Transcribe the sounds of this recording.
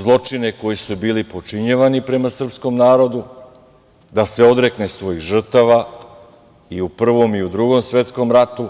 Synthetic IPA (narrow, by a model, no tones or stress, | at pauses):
zlˠo̞t͡ʂine̞ko̞jisubiːlipo̞t͡ʂiɲeʋanipɾe̞masr̩psko̞mnaːɾo̞d̪u | d̪aseo̞d̪ɾe̞knesʋo̞jiɣʒr̩t̪aʋa | iupr̩ʋo̞miud̪ɾuɡo̞msʋe̞t̪sko̞mɾat̪u